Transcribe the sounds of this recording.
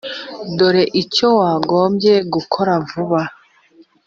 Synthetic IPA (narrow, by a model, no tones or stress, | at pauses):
do̞ɾe̞ʔico̞waːɡo̞ːmɟe̞ɡukʰo̞ɾaɱvuβa